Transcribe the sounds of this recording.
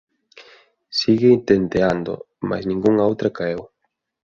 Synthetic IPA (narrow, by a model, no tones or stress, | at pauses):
siɣeint̪end̪eand̪o̰ | ma̰snĩŋɡuŋowt̪ɾakaew